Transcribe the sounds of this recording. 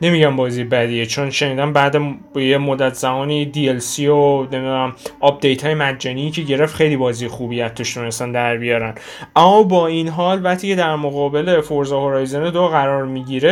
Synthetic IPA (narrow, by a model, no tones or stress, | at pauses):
ne̞miɟæmbɒːziːjebæd̪ijet͡ʃʰonʃe̞niːd̪ænbæːd̪ejemod̪ːæt̪ʰz̥æmɒːniːd̪ielsione̞mid̪unæmɒp̚d̪e̞jt̪ʰhɒːjemæd͡ʒːæniːcʰe̞ɟe̞ɾe̞ft̪xe̞jliːbɒːziːjexuːbijæt̪̚ʰd̪oʃt̪ʰunest̪ænd̪æɾbijɒːɾæn | ʔæmːɒbɒːinɦɒːlvæχt̪ʰiːcʰe̞d̪æɾmoɣɒːbe̞lefoɾzɒhoɾɒːjzened̪oɣæɾɒːɾmiɟiːɾe̞